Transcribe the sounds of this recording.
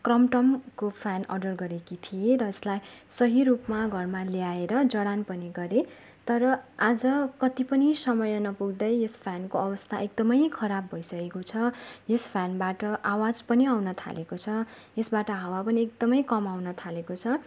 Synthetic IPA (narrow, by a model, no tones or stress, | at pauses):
krʌmʈʌmkopʰanʌ̰ɖʌrɡʌɾekit̪ʰieɾʌeslajsʌɦirupmaɡʱʌrmaljaeɾʌd͡zʌɽanpʌniɡʌɾe | t̪ʌɾʌad͡zʌkʌt̪ipʌnisʌmʌjʌnʌpuɡd̪ʌjjospʰjankoʌbʌst̪ʰaek̚d̪ʌmʌjkʰʌɾabːʱʌjsʌɡekot͡sʰʌjospʰjanbaʈʌʔawad͡zpʌniawnʌt̪ʰa̰lekot͡sʰʌ | jesbaʈʌɦawapʌniekd̪ʌmʌjkʌmawnʌt̪ʰalekot͡sʰʌ